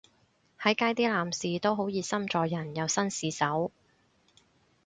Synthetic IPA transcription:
hɐ˨˥jkaː˧jt̪iː˥laː˨msiː˨t̪o˥wɦo˨˥wjiː˨˧sɐ˥mt͡sɔː˨jɐ˨˩njɐ˨˧wsɐ˥nsiː˨˧sɐ˨˥w

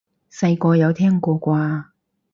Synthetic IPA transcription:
sɐ˧jkɔː˧jɐ˨˧wt̪ʰɛː˥ŋkɔː˧kʷaː˧

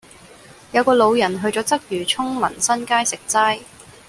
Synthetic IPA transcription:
jɐ˨˧wkɔː˧lo˨˧wjɐ˨˩nɦɵ˧ɥt͡sɔː˨˥t͡sɐ˥k̚jyː˨˩t͡sʰʊ˥ŋmɐ˨˩nsɐ˥nkaː˥jsɪ˨k̚t͡saː˥j

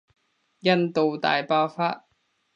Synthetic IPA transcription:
jɐ˥nt̪o˨wt̪a̰ː˨jpaː˧˥wfaː˥t̚

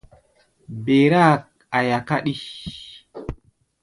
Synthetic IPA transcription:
be˨ɾa˦k̚ | a˨ja˨ka˦ɗi˦

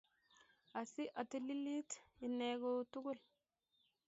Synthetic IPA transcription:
a˨si˦ʔa˨ti˦li˦li˦ti˨ne˨ɡo˦tu˦ɡu˦l

